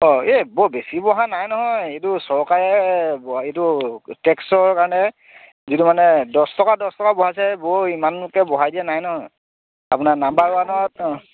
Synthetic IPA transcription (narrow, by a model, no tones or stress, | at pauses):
ɔebɔbesibɔɦanajnɔɦɔjejtʊsɔɹkaɹɛbɔetutɛksɔɹkaɹɔnɛ | zitumanɛdɔstɔkadɔstɔkabɔɦasɛboimanlʊkɛbɔɦajdiɛnajnɔɦɔj | apʊnanambaɹʊanɔɔtɔ